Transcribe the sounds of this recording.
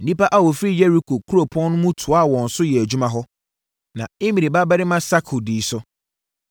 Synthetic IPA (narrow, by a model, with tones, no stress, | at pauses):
n̩˨nĩ˦pa˦ʔa˦wɔ˨fɾi˦jɛ˦ɾi˦kʰo˨kʰu˦ɾo˨pʰɔ̃˦n˦nʊ̃˦mũ˦tʰʊ˨a˦˨wɔ̃˨n̩˨sʊ˦jɛ˨æ˨d͡ʑᶣu˦mã˨ɦɔ˦ | nã˨ɪ˦mĩ˨ɾi˨ba˦bɛ˦ɾɪ˦mã˦sa˦kʰʊ˨diː˨sʊ˦